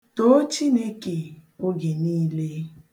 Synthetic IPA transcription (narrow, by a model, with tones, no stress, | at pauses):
to˦t͡ʃi˦ne˦ke˨o˦ɡe˨niː˦le˦